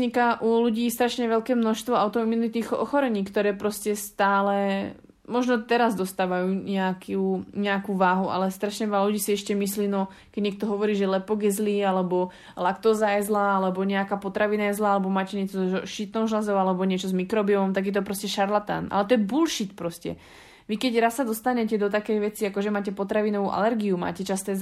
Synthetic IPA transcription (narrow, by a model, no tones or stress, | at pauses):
zɲikaʔuluɟiːst̪ɾaʃɲɛʋɛlkɛːmnɔʃst̪ʋɔaʊt̪ɔminit̪iːxɔ̰xɔɾɛɲiːkt̪ɔɾɛːpɾɔscɛst̪aːlɛ | mɔʒnɔt̪ɛɾazd̪ɔst̪aːʋajuːɲɛakʰuɲɛakuʋaːɦuʔa̰lɛst̪ɾaʃɲɛʋɛlaluɟiːsiɛʃcɛmisliːnɔ | kɛɟɲɛk̚t̪ɔɦɔʋɔɾiːʒɛlɛpɔɡjɛzlialɛbɔ | lakt̪ɔzajɛzlaalɛbɔɲɛakaːpɔt̪ɾaʋinajɛzlaalɛbɔmaːcɛɲɛt͡sɔʃit̪nɔwʒlazɔʊalɛbɔɲɪɛt͡ʃɔzmikɾɔbiɔmɔmt̪aɡjɛt̪ɔpɾɔscɛʃaɾlat̪a̰nʔa̰lɛt̪ɔjɛbulʃit̪pɾɔscɛ̰ | ʋikɛɟɾasːad̪ɔst̪aɲɛcɛd̪ɔt̪akɛjʋɛt͡siakɔʒɛmaːcɛpɔt̪ɾaʋinɔʋuːʔa̰lɛɾɡiuma̰ːcɛt͡ʃast̪ɛː